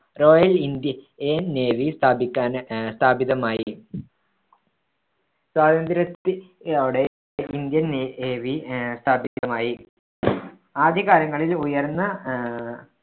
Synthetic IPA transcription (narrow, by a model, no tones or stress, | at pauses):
ro̞ːjɐlind̪jɐ | eːnneːʋist̪ʰaːbikʲːaːnst̪ʰaːbiðɐmaːji | swaːd̪ʱɐnd̪ɾɐt̪ːi | oɽe | ind̪jɐneːʋist̪ʰaːbiɐmaːji | aːd̪ʱiɣaːɾɐŋːɐɭilujɐrnːɐ